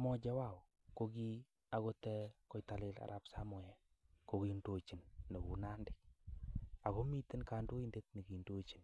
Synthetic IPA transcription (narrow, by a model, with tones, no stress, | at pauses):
mɔ˨d͡ʒa˦wa˦˨ | ko˦ɡi˦ | a˨ɣo˦tɛ˦kɔ˨jta˨lɪ˦la̰˨ɾʔa˨psamɔ˨jɛ˨ | ko˨ki˨ndo˨t͡ʃi˨nːe˨ku˨na˦ndɪ˦k̚ | a˨ko˦mi˦tɪ˦nka˨ndu˦i˦nde˦t̚ni˨ki˨ndo˦t͡ʃi˨n